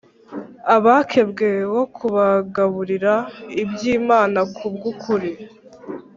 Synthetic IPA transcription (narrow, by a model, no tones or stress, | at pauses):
aβaːkʰe̞bɡe̞wo̞kʰuβaɡaβuɾiɾaibjiːmaːnakʰubɡukʰuɾi